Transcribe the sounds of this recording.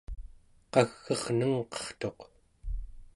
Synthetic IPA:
qɑɣːʌʁnəŋqʌ̥χt̪o̞q

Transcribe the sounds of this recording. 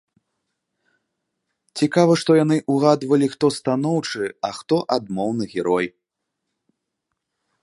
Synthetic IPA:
t͡sʲikavɐʂt̪ɔjanɨʔuɣad̪vɐlʲixt̪ɔst̪an̪ɔwt͡ʂɨɐxt̪ɔʔad̪mɔwnɨɣʲɛɾɔj

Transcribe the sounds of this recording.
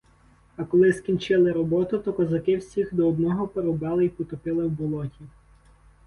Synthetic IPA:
ɐkɔlˠɪskʲint͡ʃɪlˠɪɾɔbɔt̪ʊt̪ɔkɔzɐkɪwsʲixd̪ɔːd̪nɔɦɔpeɾɔbɑlˠɪipɔt̪ɔpɪlˠɪwbʊlˠɔtʲi

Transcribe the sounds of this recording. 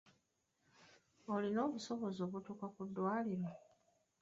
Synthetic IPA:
o̞lino̞ːβuso̞βo̞zo̞ːβutuːkakudːwaːliɾa

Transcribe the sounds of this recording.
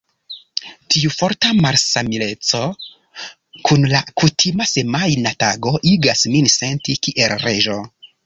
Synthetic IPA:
tiufo̞ɾtamaɾsamile̞t͡so̞ | kʰunlakutʰimase̞majnataɡo̞ʔiɡasminse̞ntikiʔelɾe̞ʒo̞

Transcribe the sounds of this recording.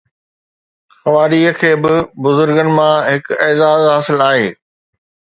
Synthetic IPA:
xɐʋaːɾiːəkʰeːbɪbʊzʊɾɡənɪ̆mãɦɪkɛːzaːzɦaːsɪlaːɦeː

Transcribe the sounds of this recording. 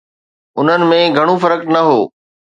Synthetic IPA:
ʊn̤ənɪ̆mẽɡʱɐɽ̃ufɐɾək̪nɐɦoː

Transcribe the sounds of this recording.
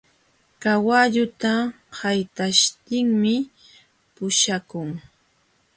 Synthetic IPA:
kawaʎʊt̪a | hajt̪aʃt̪ɪŋmɪ | pʊʃakʊŋ

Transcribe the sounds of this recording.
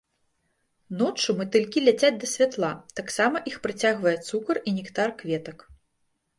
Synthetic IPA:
nɔt͡ʂumɨt̪ɨlʲkʲilʲat͡sʲad͡zʲd̪ɐsʲvʲat̪lˠat̪aksamɐʔixpɾat͡sʲaɣvɐjɛt̪sukɐrinʲikt̪arkvʲɛt̪ɐk

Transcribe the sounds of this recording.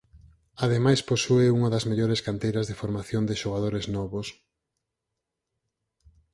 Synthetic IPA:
aðemajsposueuŋɐðɐzmeʎoɾeskant̪ejɾɐzðefoɾmaθjond̪ɪʃoɣ̞aðoɾeznɔβos

